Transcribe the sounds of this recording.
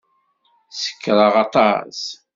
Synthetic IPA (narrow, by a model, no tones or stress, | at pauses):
sə̥kːɾˤɑʁɑt̪ˤɑs